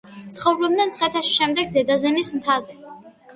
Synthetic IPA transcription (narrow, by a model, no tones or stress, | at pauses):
t̪sχɔvlɔbnɛnt̪sʰʼχʼɛt̪ʰaʃi̥ʃɛmd̪ɛɡzɛd̪azɛnismt̪ʰazɛ